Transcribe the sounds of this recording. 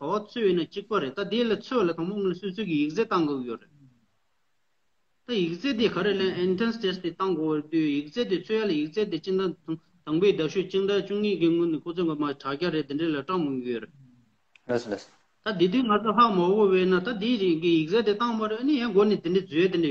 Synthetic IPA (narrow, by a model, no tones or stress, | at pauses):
p̪awat͡sʰøːjinːat͡ɕik̚paɾeʔt̪ad̪ilat͡sʰølat̪ʰaŋpoŋnsøt͡sʰøːkijik̚t͡seːt̪ɑŋɡoɡijøreʔ | t̪ajik̚t͡seːt̪̬ekʰaɾeʔleaʔintenstest̪et̪ɑŋɡowaet̪yjik̚t͡seːt̪it͡sʰøjalajik̚t͡seːt̪̬it͡ɕid̪a | t̪aŋpeːd̪aɕuʔt͡ɕind̪at͡ɕuŋɲiːkiŋønːikʰot͡sʰøkimaʈ͡ʂʰakaɾeʔt̪iɳɖ͡ʐelaʈ͡ʂɑŋməŋɡijøreʔ | t̪ad̪it̪̬yːŋat͡sʰoɦaʔmapopeinːat̪ad̪ikijit͡seːt̪et̪ɑŋpaɾeʔənijaŋɡonet̪iɳɖ͡ʐed͡zyːjat̪iɖ͡ʐe